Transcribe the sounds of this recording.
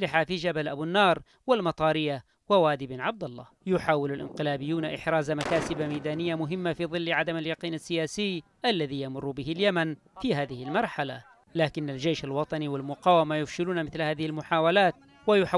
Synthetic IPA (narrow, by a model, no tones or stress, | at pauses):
lɪħafid͡ʒabalʔabɪnːɑːɾˤ | wɪlmɑt̪ˤɑːɾɪjːa | wɪwaːd̪ɪbnʕab̚d̪ɑlˤːɑ̰ːjʊħaːwɪlalʔɪ̰nqɪlaːbɪjːuːnaʔɪħɾaːzamakaːsɪbamajd̪aːnɪjːamʊɦɪmːafiːðˤɨlːʕad̪amaljɑqiːnasːɪjaːsɪj | ʔalːaðiːjamʊrːbɪɦɪljaman | fiɦaːðɪhɪlmɑɾˤħala̰ | laːkɪnːald͡ʒeːʃalwɑt̪ˤɑniwɪlmʊqaːwamajʊfʃɪluːnamɪθlhaːðɪhɪlmʊħaːwalaːt̪̚ | wajʊħ